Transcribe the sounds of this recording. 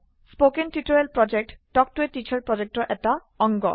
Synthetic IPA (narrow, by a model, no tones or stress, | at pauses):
spokenʈiʈoelpɾɔd͡ʑek̚ʈɖɔk̚ʈueʈːit͡ɕʰaɾpɾɔd͡ʑek̚ʈɔʔɛʈa | ɔŋɡɔ̰